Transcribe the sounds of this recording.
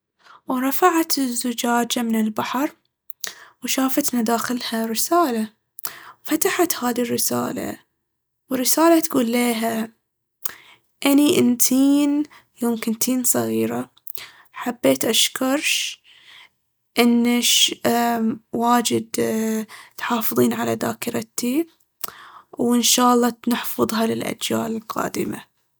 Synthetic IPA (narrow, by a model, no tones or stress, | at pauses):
wɾˤɑfaʕat̪ɪzːʊd͡ʒaːd͡ʒamɪnɪlbaħɑɾˤ | wʃaːfat̪nad̪aːxɪlhaɾɪsaːla | wfat̪aħat̪haːðirːɪsa̰ːla̰ | wɪrːɪsaːlat̪ɡuːlːeːɦa | ʔaniʔɪnt̪ʰiːn | joːmkɪnt̪iːnsˤɑɣiːɾa | ħabːeːt̪ʔaʃkɑɾˤʃ | ʔɪnːaʃ | waːd͡ʒɪd̪ | t̪ħɑːfɨðˤiːnʕalad̪a̰ːkɪɾɑt̪i | wɪnʃaːʔlˤːɑnɪħfɑðˤɦɑlɪlʔa̰d͡ʒja̰ːlɪlqɑ̰ːd̪ɪma̰